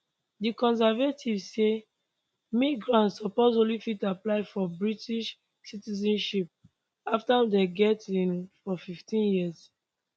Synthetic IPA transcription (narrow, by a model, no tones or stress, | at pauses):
dikɔ̃ns̬ɛvatʰivse | miɡɹãntsɔpozeblifitaplaɪfɔbɹitiʃ | sitizɛ̃nʃip̚ | aftadeɡɛtĩnfɔfiftĩnjiəs